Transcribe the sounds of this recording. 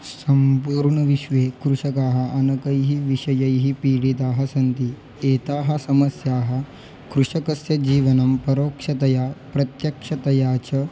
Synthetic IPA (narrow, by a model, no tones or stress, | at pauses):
sɐmpuːɾɳɐʋiʃʋeːkɾuʂɐkaːɦɐ̆ʔɐnɐkɐjɦiʋiʂɐjɐjɦipiːɽit̪aːɦɐsɐnt̪i | eːt̪aːɦɐsɐmɐsjaːɦɐ̆ | kɾuʂɐkɐsjɐd͡ʑiːʋɐnɐmpɐɾoːkʂɐt̪ɐjaːpɾɐt̪jɐkʂɐt̪ɐjaːt͡ɕɐ